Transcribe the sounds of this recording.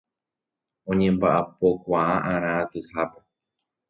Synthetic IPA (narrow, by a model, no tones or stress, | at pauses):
õ̞ɲẽ̞mbaʔapo̞kʷaaʔãɾ̃ãːt̪ɨhape